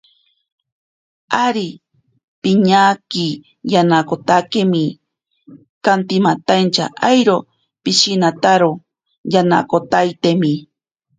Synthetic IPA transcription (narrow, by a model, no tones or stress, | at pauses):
aɾi | piɲaki | janakot̪akemi | kant̪imat̪ant͡ʃa̰ʔajɾo | piʃinat̪aɾo | jana̰kot̪ajt̪emi